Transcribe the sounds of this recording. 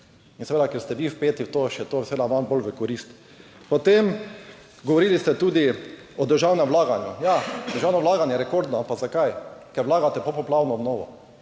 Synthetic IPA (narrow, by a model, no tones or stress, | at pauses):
insɛʋeːd̪akɛɾst̪ɛʋifpeːt̪iwt̪oʃɛt̪oːsɛʋeːd̪amanbolʋəkɔɾist̪ | pɔt̪em | ɡɔʋɔɾilist̪ɛt̪uːd̪i | ɔd̪əɾʒawnɛmʋlaːɡanjujad̪əɾʒawnɔʋlaːɡanjɛɾɛkoɾd̪nɔapazakajkɛɾʋlaːɡat̪ɛpopɔplawnɔɔbnoːʋɔ̰